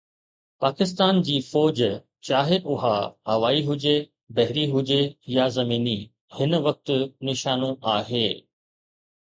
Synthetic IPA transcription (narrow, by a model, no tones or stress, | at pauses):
paːkɪst̪aːnd͡ʑiːfɔːd͡ʑ | t͡ɕaːɦeʔʊɦaɐʋaːiɦʊd͡ʑe | bɐɦɪɾiɦʊd͡ʑejazɐmiːni | hɪnʋɐk̚t̪ʊ̆nɪʃaːnũʔaːɦeː